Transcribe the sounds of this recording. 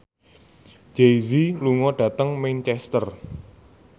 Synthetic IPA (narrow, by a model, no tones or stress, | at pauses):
d͡ʒ̥eziluŋɔɖ̥ä̤t̪əŋmɛnt͡ʃɛst̪ər